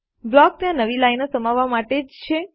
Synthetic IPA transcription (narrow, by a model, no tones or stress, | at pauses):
blɔk̚t̪jãnəʋilainosəmaʋːamaʈed͡ʒt͡ʃʰe